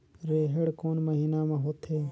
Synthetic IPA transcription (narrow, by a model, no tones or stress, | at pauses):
ɾeːɦeɽkoːnməɦiːnaːmãːɦoːt̪ʰɦeː